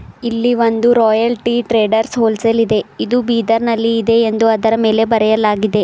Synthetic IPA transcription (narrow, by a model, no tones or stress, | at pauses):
ilːiʋo̞nd̪uɾɔːjɐlʈiʈɾeːɖɐɾsɦoːlsɐlid̪e̞id̪ubiːd̪ɐɾnɐlːiːd̪e̞ːnd̪uɐd̪ɐɾɐme̞ːle̞bɐɾɛjɐlaːɡid̪e̞